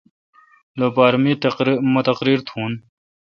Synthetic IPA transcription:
loːpaːɾmiːt̪mt̪ɐqɾiːɾt̪ʰũːn

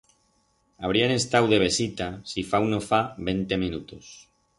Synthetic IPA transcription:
aβ̞ɾiane̞st̪awðe̞β̞e̞sit̪asifawnofaβe̞nt̪e̞mĩnut̪os

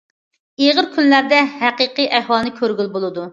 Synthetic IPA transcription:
eʁəɾkʲʰynlæɾd̪ɛɦæqiqɨʔæhwɑlˠnɨkʲʰøɾɡʲylbolˠɨd̪u

